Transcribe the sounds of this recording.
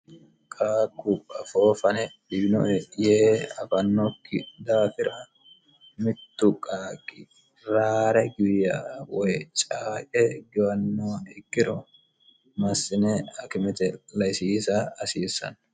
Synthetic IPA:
kʼaːkːʊpʼːɐfoːfɐnɛdɪbnɔ̰ʔɛjeːɐfɐnːɔkːɪ̰d̪aːfɪɾɐ | mɪt̪ːʊkʼaːkʼɪ | ɾaːɾɛɡʊjaːwɔjt͡ʃʼaːkʼɛɡɪwɐnːoːɪkːɪɾɔ | mɐsːɪnɛɐkɪmɛt̪ɛlɐjsiːsɐɐsiːsːɐ̰n

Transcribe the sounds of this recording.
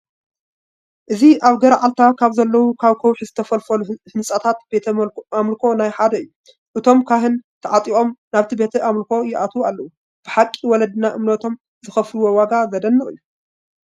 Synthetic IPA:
ʔɨziʔaβɡɐɾaʕalt̪ʰakʰaβzɐlːɐwukʰaβkʰɐwħizɨt̪ʰɐfɐlfɐluhɨnsʼat̪ʰat̪b̥et̪ʰɐamlkʰo̞najħad̪ɐɨjːu | ʔɨt̪ʰo̞mkʰaɦɨnt̪ʰɐʕat̪ʼio̞mnaβt̪ʰibe̞t̪ʰɨʔamlko̞jɪʔat̪ʰwualːɐwu | b̥ɨħakʼːiwɔlɐd̪ɨnaʔɨmnɐt̪ʰo̞m | zɨxɐfluwowaɡazɐd̪ɐnːɨχʼɨ̰jːu

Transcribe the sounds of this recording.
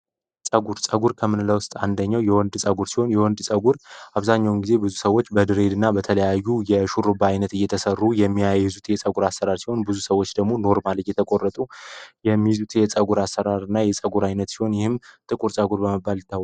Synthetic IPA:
sʼəɡuɾsʼəɡuɾkʰəmɨnləwʊst̪ʼand̪əɲːawjɛwɔnd̪sʼəɡuɾsiho̞njɛwɔnd̪sʼəɡuɾʔaβzaɲːawʊnɡize̞bɨzusəwːo̞t͡ʃːbəd̪ɨɾe̞d̪ɨnːabət̪ʰələjajːujɛʃuɾobajnət̪ɨjːɛt̪ʰəsərːujɛmːijajjɨzut̪jɛt͡sʼəɡuɾasːəɾaɾsiho̞nbɨzusəwːo̞t͡ʃːd̪əɡmo̞no̞ɾmaljɛt̪ʰəkʼo̞rːət̪ʼujɛmːizut̪jɛt͡sʼəɡuɾasːəɾaɾɨnːajɛt͡sʼəɡuɾajnət̪siho̞njɪhɨmt̪ʼɨkʼuɾsʼəɡuɾbəməbːalt̪ʰːəw

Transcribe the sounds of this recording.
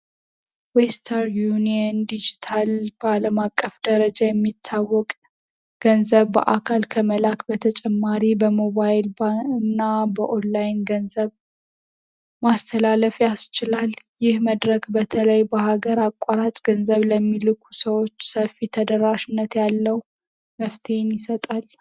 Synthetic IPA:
west̪ʰəɾjuniənd̪id͡ʒit̪ʰalb̥əaləmakʼːəfd̪̥əɾəd͡ʒajɛmːit̪ʰːawːɔkʼ | ɡ̥ənzəβbə̰ʔakʰalkʰəməlakbət̪ʰət͡ʃʼɛmːaɾibəmo̞βajlbaɨnːabəʔonlajnɡənzəβ | mast̪ʰəlaləfjast͡ʃɪlaljɪhməd̪ɾəkbət̪ʰələjbəhaɡəɾakʼːaɾat͡ʃʼɡ̥ənzəβləmːilɨkʰu̥səwo̞t͡ʃːsəfit̪ʰəd̪əɾaʃɪnːət̪jalːəw | məft̪ʰe̞njɪsət̪ʼal

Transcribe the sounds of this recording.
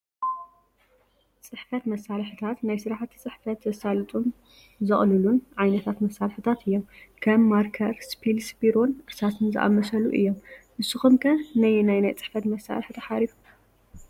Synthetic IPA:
t͡sʼɨħfɐt̪mɐsːalħɨt̪ʰat̪najsɨɾħat̪ʰi̥t͡sʼɨħfɐt̪zɐsalɨt̪ʼum | zɨχʼlɨlunʕajnɐt̪ʰat̪mɐsːalħɨ̥t̪ʰat̪ʰɨjːomkʰɐmːaɾkʰɐɾspʰilsbiɾonʔɨsat̪ʰɨnzɨ̰ʔa̰mːɐsɐluʔɨ̰jːomʔɨsːɨxumkʰɐnajnajnajt͡sʼɨ̥ħfɐt̪mɐsa̰lħt̪ʰɐħaɾifu

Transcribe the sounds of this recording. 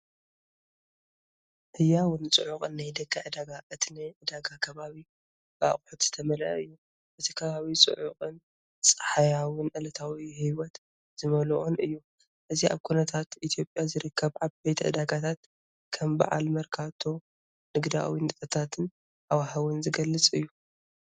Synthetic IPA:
ʔɨjːawʊnɨt͡sʼɨʕuqʼɨnːajd̪ɐkʰːaʕɨd̪aɡaʔɨt̪ʰineʕɨd̪aɡakʰɐβaβi | ba̰χʼħut̪z̥ɨ̥t̪ʰɐmɐlʔɐɨjːu | ʔɨt̪ʰikʰɐβaβit͡sʼɨ̰ʕuqʼɨn | t͡sʼɐ̥ħajawɨnʔɨlɐt̪ʰawihiwɔt̪ | z̥ɨmɐlʔonɨjːu | ʔɨziʔa̰βkʰunɐt̪ʰat̪ʔit̪ʰjo̞pʼjazɨɾɨkʰːɐβʕaβbejt̪ʰʕɨ̰d̪aɡat̪ʰat̪ | kʰɐmba̰ʕa̰lmɐɾkʰaβt̪ʰo̞ | nɨɡd̪a̰wint̪ʼɨkʼɐt̪ʰat̪ʰɨn | ʔawahawɨnzɨɡɐlːɨt͡sʼɨjːu

